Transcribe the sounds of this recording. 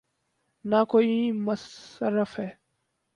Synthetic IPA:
naːkoːiːməsəɾəfɦɛː

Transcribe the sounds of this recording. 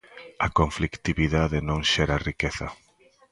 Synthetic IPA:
ɐkoɱflikt̪iβiðaðenõŋʃeɾarikeθɐ

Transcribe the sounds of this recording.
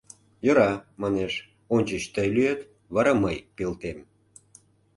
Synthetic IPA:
joɾɑmɑneʃ | onʲt͡ɕət͡ɕt̪əjlyet̪ | βɑɾɑməjpelt̪em

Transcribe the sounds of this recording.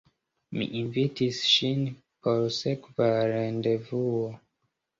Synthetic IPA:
mḭʔinvitisʃin | poɾsekvaɾendevuo

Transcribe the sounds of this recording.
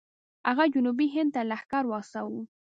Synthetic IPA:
aɣad͡ʒʊnubiɦɪnd̪̚t̪alahkaɾwɑsawu

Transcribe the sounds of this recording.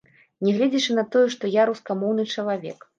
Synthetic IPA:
nʲɛɣlʲɛd͡zʲit͡ʂɨnɐt̪ɔjɛʂt̪ɔjaɾuskamɔwnɨt͡ʂɐlˠavʲɛ̰k

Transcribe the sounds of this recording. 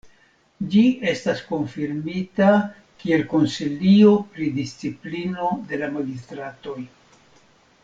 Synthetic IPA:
d͡ʒie̞stasko̞nfiɾmita | kie̞lko̞nsilio̞pɾidist͡siplino̞d̪e̞lamaɡistɾato̞j

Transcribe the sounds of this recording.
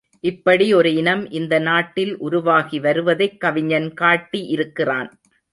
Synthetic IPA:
ʔɪpːɐɽiɔɾɯɪɳɐmʔɪnd̪ɐnaːʈːɪlʔʊɾʊʋaːɣiʋɐɾɯʋɐðɐɪkːɐʋɪɲɐnkaːʈːiʔɪɾɯkːɪraːn

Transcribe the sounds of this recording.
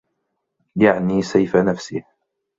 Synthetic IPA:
jaʕniːsajfanafsɪh

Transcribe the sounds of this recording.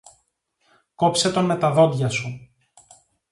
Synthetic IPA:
ko̞pse̞t̪o̞nme̞t̪ɐðo̞d̪ʝɐsu

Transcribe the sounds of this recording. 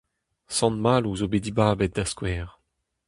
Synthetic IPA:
sɑ̃nmaluzobed̪ibaːbɛt̚d̪askwɛːʁ

